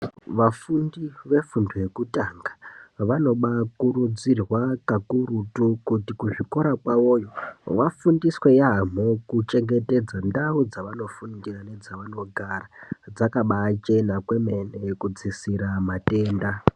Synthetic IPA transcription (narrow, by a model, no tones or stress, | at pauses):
ʋafundiʋe̞funduje̞kutaŋɡḁʋano̞ɓakuɾud͡zirwakakuɾutukutikuʐiko̞ɾakwawo̞ːjo̞ʋafundiswe̞jam̤okut͡ʃe̞ŋɡe̞te̞d͡zandaud͡zaʋano̞fundirane̞d͡zaʋano̞ɡʱarad͡zakaɓat͡ʃe̞nakwe̞me̞ne̞kud͡zisiɾamate̞ːnda